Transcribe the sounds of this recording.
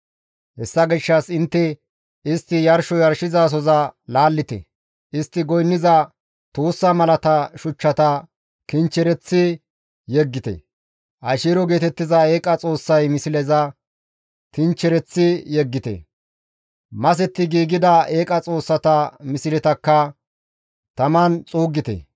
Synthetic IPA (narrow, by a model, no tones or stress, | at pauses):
hɛsːɐɡɪʃːɐsɪnt̪ːɛ | ɪst̪ːɪjɐɾʃɔjɐɾʃɪzaːs̬ɔzɐlaːlːɪt̪ɛ̰ | ɪst̪ːɪɡɔjnːɪzɐ | t̪oːsːɐmɐlɐt̪ɐʃʊt͡ʃːɐt̪ɐ | kɪnt͡ʃːɛɾɛt͡sːɪ | jɛɡːɪt̪ɛ̰ | ʔɐʃiːɾɔɡe̞ːt̪ɛt̪ːɪzɐe̞ːkʼɐt͡sʼo̞ːsːɐjmɪsɪlɛzɐ | kɪnt͡ʃːɛɾɛt͡sːɪjɛɡːɪt̪ɛ̰ | mɐs̬ɛt̪ːɪɡiːɡɪd̪ɐe̞ːkʼɐt͡sʼo̞ːsːɐt̪ɐmɪsɪlɛt̪ɐkːɐ | t̪ɐmɐnt͡sʼuːɡːɪt̪ɛ̰